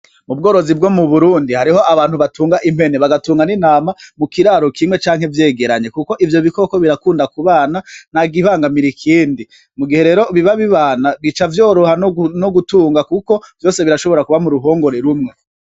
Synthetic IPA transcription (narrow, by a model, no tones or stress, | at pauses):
mub̚ɡo̞ːɾo̞zib̚ɡo̞muβuɾuːndihaɾiho̞ʔaβaːn̥huβatuːŋɡaʔim̥he̞ne̞βaɡatuːŋɡaninaːmamukiɾaːɾo̞kʰimwe̞t͡ʃaːŋhe̞vje̞ːɡe̞ɾaɲe̞kuko̞ʔivjo̞βiko̞ko̞βiɾakuːndakuβaːnanaɡiβaːŋɡamiɾikʰiːndi | muɡihe̞ɾe̞ːɾo̞βiβaβiβaːnaβit͡ʃavjo̞ːɾohanoɡutuːŋɡakuko̞v̥jo̞ːse̞βiɾaʃo̞βo̞ɾakuβamuɾuɦo̞ːŋɡo̞ɾeɾumŋe̞